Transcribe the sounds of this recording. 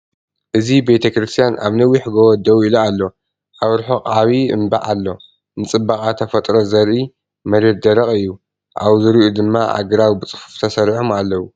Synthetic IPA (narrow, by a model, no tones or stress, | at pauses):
ʔɨzibe̞t̪ʰɐkɾɨst̪ʰijanʔa̰βnɐwiħɡowɔd̪ɐwilualːo̞ | ʔaβɾħoqʼaβiɨ̰mba̰ʕalːo̞ | nɨt͡sʼɨbakʼat̪ʰɐfɐt̪ʼɾo̞zɐɾʔi | mɐɾe̞t̪̚d̪ɐɾɐχʼɨjːu | ʔawzɨɾiʔud̪ɨmːaʔa̰ɡɨɾawibɨt͡sʼɨ̥fu̥ft̪ʰɐsɐɾħomalːɐwu